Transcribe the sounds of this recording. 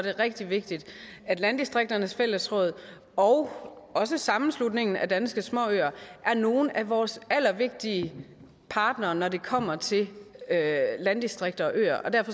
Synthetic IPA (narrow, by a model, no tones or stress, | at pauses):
d̥e̝ʁɛɡ̥̚d̥iʋe̝ɡ̥̚d̥id̥æd̥lænd̥isd̥ʁeɡ̥̚d̥ɐnəsfel̰əsʁɔ̽ːð̞̰ˠ | ɒʊ | ɒ̽səsɑ̈mn̩slud̥ne̝ŋn̩æd̥ænsɡ̥əsmɒ̰̽øːɐʔæɐno̝ːn̩æʋɒːsæl̰ɐʋe̝ɡ̥̚d̥iə | pʰɑ̈ːd̥nɐːnɒde̝kʰɒ̽m̰ɐt͡sʰe̝lølænd̥isd̥ʁeɡ̥̚d̥ɐɒ̽ʔø̰ːɐʔɒ̽d̥æɐfɒ̽